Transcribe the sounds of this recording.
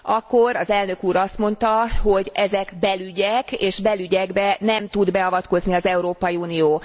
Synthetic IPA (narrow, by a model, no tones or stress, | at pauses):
ɒkːoɾɒzɛlnø̞kuːɾɒst̪mo̞nt̪ɒɦo̞ɟɛzɛkbɛlyɟɛkeːʃbɛlyɟɛɡbɛnɛmt̪ud̪bɛɒvɒt̪ko̞zniɒzɛuɾoːpɒjiuːnijoː